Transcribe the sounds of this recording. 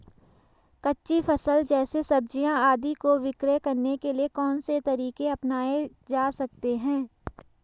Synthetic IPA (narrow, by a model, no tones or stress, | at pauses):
kɐtːʃifʰɐsəld͡ʒɛːsesɐb̚d͡ʒijãaːd̪ikoʋɪkɾekɐɾnekeliekɔːnset̪ɐɾiːkeɐpnaːe | d͡ʒaːsɐk̚t̪eɦɛ̃ː